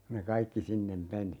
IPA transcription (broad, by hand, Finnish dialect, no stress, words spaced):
ku ne kɑikːi sinːem meni